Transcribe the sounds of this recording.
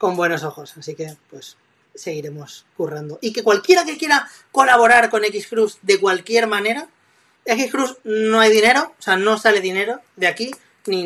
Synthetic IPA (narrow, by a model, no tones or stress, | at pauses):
ko̞mbwe̞no̞so̞xo̞sasike̞pwe̞s | se̞ɣ̞iɾe̞mo̞skurand̪o̞ʔike̞kwalkje̞ɾake̞kje̞ɾa | ko̞laβo̞ɾaɾko̞ne̞kiskɾuzd̪e̞kwalkje̞ɾmãne̞ɾa | e̞kiskɾusno̞ajðine̞ɾo̞ːseano̞sale̞ðine̞ɾo̞ðeaki | ni